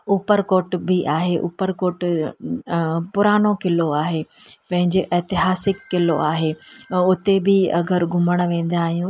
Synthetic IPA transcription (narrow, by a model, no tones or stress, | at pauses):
uːpəɾkoːʈbɪʔaːɦeʔṵːpəɾkoːʈ | pʊɾaːnokɪloaːɦeːpɐ̃ɦɪ̃ɲd͡ʑeʔɐːt̪ɪɦaːsɪkːɪlo̰ʔaːɦeʊt̪ebʱɪɐ̰ɡəɾɡʱʊməɽ̃ʋẽːn̆d̪aːɦijũ